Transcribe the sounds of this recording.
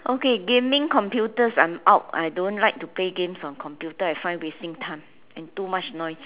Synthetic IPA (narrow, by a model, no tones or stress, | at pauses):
ʔokeɡẽmĩŋkɔ̃mpjutəsãmaʊt̚a̰jdõnlaɪk̚tupleɡẽmsɔ̃nkʰɔ̃mpjutəajfãɪ̃nwestĩŋtʰãm | ɛ̃ntumat͡ʃnɔɪs